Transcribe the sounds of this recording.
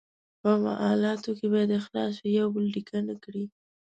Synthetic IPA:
pəfa̰ʔɑlɑt̪okebɑjad̪əxlɑ̰s̬jawbəlɖikʰanakɽi

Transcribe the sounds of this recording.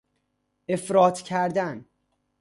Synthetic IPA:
ʔe̞fɾɒːt̪ʰcʰæɾd̪æn

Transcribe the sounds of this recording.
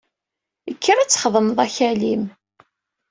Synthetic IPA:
əkʰːəɾˤæt͡sːχəðˤəmðˤæçælim

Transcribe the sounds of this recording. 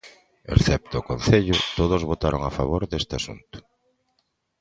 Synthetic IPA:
ḛɾθɛp̚t̪oːkon̟θeʎʊt̪oð̞ozβot̪aɾoŋafaβoɾðest̪ɪasṵnt̪ʊ̥

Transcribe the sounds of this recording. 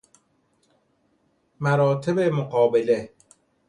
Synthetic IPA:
mæɾɒːt̪ʰebemoɢɒːbele

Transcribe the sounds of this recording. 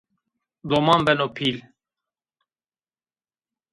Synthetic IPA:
d̪omɑmbɛnopʰil

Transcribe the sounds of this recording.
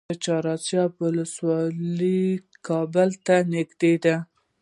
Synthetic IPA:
ət͡ʃɑɾɑt͡sjɑbwʊləswɑli | kʰɑbəlt̪anɪɡd̪ed̪a

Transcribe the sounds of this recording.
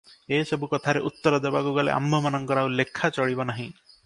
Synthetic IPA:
esɔbukɔt̪ʰaɾeʔut̪ːɔɾɔd̪ebakuɡalḛʔa̰mbʱɔmanɔŋkɔɾawlekʰːat͡ʃɔɽibɔnaɦĩ

